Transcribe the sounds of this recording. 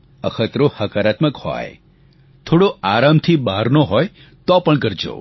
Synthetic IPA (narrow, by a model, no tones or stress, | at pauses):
əkʰət̪ɾohəkaɾat̪məkhɔ̰j | t̪ʰoɽoaɾamt̪ʰibaɾnoɦɔj | t̪ɔpəɳɡəɾd͡ʒo̰